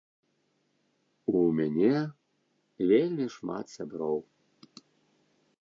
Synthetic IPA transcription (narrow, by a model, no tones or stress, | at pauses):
umʲanʲɛ | vʲelʲmʲiʂma̰t̪sʲabɾɔw